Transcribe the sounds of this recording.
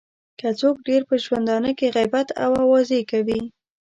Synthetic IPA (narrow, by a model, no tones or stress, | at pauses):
kat͡sok̚ɖeɾpəʒwand̪ɑnəkeɣajbat̪a̰wawɑzekawi